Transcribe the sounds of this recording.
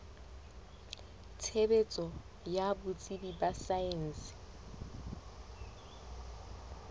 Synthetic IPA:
tʰebet͡sʼɔ | jabʊt͡sʼibibasaen̩sɪ̥

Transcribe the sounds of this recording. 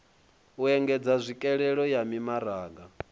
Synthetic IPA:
uɛŋɡɛd͡zazʷikʼɛɺɛɺɔjamimaɾaːɡa

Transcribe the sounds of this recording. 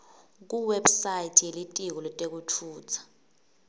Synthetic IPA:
k̬uwɛbsajitʰijelitʼik̬ɔlɔtʼek̬utʰuːt͡sʰḁ

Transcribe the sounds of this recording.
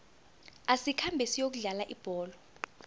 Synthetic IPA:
asikʰambʱɛsijok̬uɮalaʔib̥ʱɔːlɔ

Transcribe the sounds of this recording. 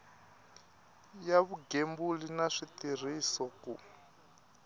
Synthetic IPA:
jaβuɡembulinaʂit̪ir̤isɔku

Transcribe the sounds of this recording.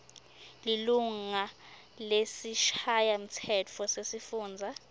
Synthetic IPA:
liluŋa | lesiʃajam̩tʰɛt͡fʰɔsesifuːnd͡zʱa

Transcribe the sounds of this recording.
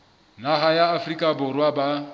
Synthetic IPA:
naɦajaːfrikʼabʊrwaba

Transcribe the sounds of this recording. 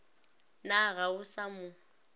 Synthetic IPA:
naɣaʊsamʊ

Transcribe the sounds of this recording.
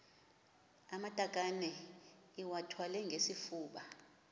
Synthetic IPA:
amatʼakʼanɛ | iwatʰwalɛŋɡʱesifuːɓa

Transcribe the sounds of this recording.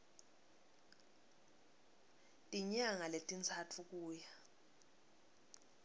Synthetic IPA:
tʼiɲaŋaletʼint͡sʰatʰuk̬uːja

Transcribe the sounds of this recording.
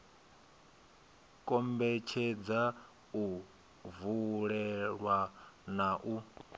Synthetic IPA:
kʼɔmbɛt͡ʃʰɛd͡za | u | vuɺɛɺwanaʔu

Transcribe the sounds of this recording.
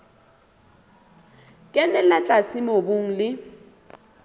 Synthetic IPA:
kʼɛnɛlat͡ɬʼasɪmobʊŋ̩lɪ

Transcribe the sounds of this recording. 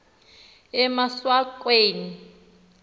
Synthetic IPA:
ɛmaswakʼweːni

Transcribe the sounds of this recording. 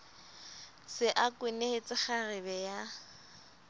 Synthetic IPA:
sɪʔakʼwɪneet͡sʼɪχarɪbɛja

